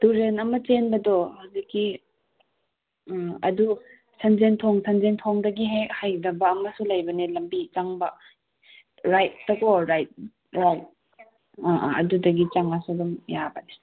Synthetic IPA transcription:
tuɾenɐmɐt͡ʃenbɐdɔhawzikːi | ɐdu | sʰɐnzentʰoŋsʰɐnzentʰoŋdɐɡiɦehajdɐbɐːmɐsulɐjbɐnelɐmbit͡ʃaŋbɐ | ɾajt̚ːɐkoɾajt̚ | ɾajt̚ | aʔɐ̰dudɐɡit͡ʃaŋasudumjabɐne

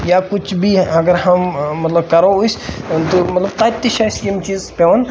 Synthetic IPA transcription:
jakʊt͡ʃʰbʱiɐɡəɾɦɐmmɐt̪lɐb̚kɐɾoust̪omɐt̪ləb̚t̪aːt̪ːiʃasjimt͡ʃiːzpeʋən

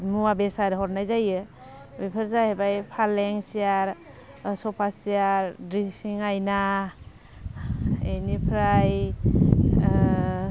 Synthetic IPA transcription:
muwabesaɾɦɔɾnajzajɯ | bipʰɯɾzahebajpʰalɛŋsiaɾ | sɔpʰasiaɾdɾisiŋajna | enipʰɾaj

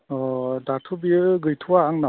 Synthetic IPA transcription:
ɔdatʰubiɯɡɯjtʰuwaːŋna

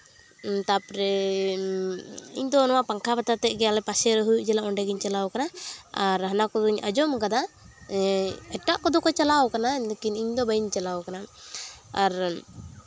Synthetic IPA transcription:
t̪apɾɛ | ḭɲd̪ɔnɔwapaŋkʰabat̪at̪ɛɡɛalɛpasɛɾəɦujuʔd͡ʒɛlaʔɔɳɖɛɡiɲt͡ʃalawkanaaɾɦanakɔd̪ɔiɲa̰d͡ʒɔmkad̪a | ɛʈːaʔkɔd̪ɔkɔt͡ʃalawkanad̪kiniɲd̪ɔbaiɲt͡ʃalawkana | aɾ

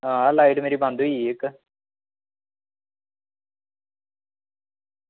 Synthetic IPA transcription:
ãːlaːiʈmeːɾiːbãnd̪uiek

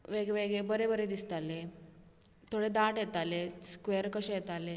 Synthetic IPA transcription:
ʋeɡʋeɡɭebəɾebəɾed̪ist̪ale | t̪ʰoɽed̪aʈjet̪aleskʋeəɾkəɕejet̪ale

